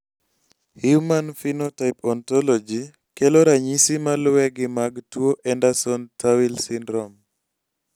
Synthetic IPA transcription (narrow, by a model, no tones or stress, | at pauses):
hjumanfinotaɪpɔntɔlɔd͡ʒi | keloɾaɲisimalwɛɡɪmaɡtwoʔɛndasɔntʰawilsɪndɾɔm